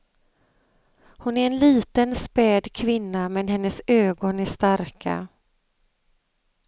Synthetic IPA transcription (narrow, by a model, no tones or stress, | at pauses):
hʊnæɾɛnliːt̪ənspɛːd̪kʰvɪnːamɛnɦɛnːəsøːɡɔnæʂt̪aɾkʰa̰